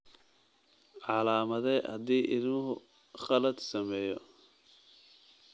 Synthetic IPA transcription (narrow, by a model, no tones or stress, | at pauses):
ʕɑlaːmɐðɛhɐd̪iːʔɪlmʊɦʊ | χɐlɐd̪sɐmɛːjɔ